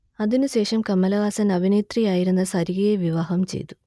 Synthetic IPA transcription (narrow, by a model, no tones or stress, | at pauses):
ɐðinɨɕe̞ːʂɐmkɐmːɐlɐʋaːsɐnɐʋineːt̪rijaːjiɾunːɐsɐɾiɣɐjeʋiʋaːɦɐmt͡ɕḛjt̪u̥